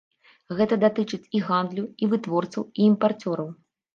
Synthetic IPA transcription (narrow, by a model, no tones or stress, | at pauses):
ɣɛt̪ɐd̪at̪ɨt͡ʂɨt͡sʲiɣand̪lʲuivɨt̪vɔrt̪sɐ̰wiimpart͡sʲɔɾɐw